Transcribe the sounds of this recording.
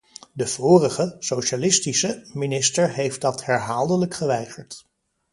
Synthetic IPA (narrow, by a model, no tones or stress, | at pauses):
dəv̥ʊːrəχəsowʃalɪstisəminɪstəɹɦejft̚dɑthɛɹɦaːlˠdələkχəʋɛjχəɹt